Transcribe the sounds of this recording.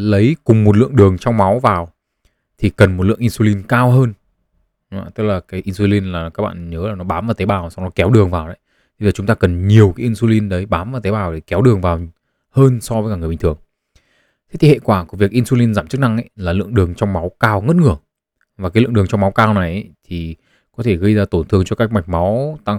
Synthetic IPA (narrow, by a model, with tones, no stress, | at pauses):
lə˨˦jkʊ˨˩ŋ͡mmo˨˩t̚lɨ̰˧˨əŋɗɨ˨˩əŋt͡ɕɔ˧wŋ͡mma˨˦wvaː˨˩w | t̪ʰi˨˩kə˨˩nmo˨˩t̚lɨ̰˧˨əŋʔi˧nsu˧li˧nkaː˧wɦəː˧n˨˧˨ | t̪ɨ˦˥k̚laː˨˩kaː˨˦jʔi˧nsu˧li˧nlaː˨˩kaː˦˥k̚ɓa̰ː˧˨ɲəː˨˦laː˨˩nɔ˨˦ɓaː˨˦mvaː˨˩wt̪e˨˦jɓaː˨˩wsa˧wŋ͡mnɔ˨˦kɛ˨˦wɗɨ˨˩əŋvaː˨˩wɗa̰˨˦j | t̪ʰziː˨˩t͡ɕʊ˨˦ŋ͡mt̪aː˧kə˨˩nɲi˨˩əwkaː˨˦jʔi˧nsu˧li˧nɗə˨˦jɓaː˨˦mvaː˨˩wt̪e˨˦ɓaː˨˩wɗe˧˩kɛ˨˦wɗɨ˨˩əŋvaː˨˩w | həː˧nsɔ˧və˨˦jkːaː˧˩ŋ˨˩˨i˨˩ŋ̟t̪ʰɨ˨˩əŋ | t̪ʰe˦t̪ʰi˨˩hḛ˧˨kwaː˧˩ku˧˩vi˨˩ək̚ʔi˧nsu˧li˧nzaː˧˩mt͡ɕɨ˦˥k̚na˧ŋʔa˧˦jlaː˨˩lɨ̰˧˨əŋɗɨ˨˩əŋt͡ɕɔ˧wŋ͡mma˨˦wkaː˧wŋə˦˥t̚ŋɨ˧˩ə | va˨˩kaː˨˦lɨ̰˧˨ŋɗɨ˨˩əŋt͡ɕɔ˧wŋ͡mma˨˦wkaː˧wna˨˩jʔə˨˦t̪ʰi˨˩ | kɔ˨˦t̪ʰe˧˩ɣə˧jzaː˧t̪o˧˩nt̪ʰɨ˧əŋt͡ɕɔ˧kaː˦˥k̚ma˨˩jk̟̚ma˨˦wt̪a˧ŋ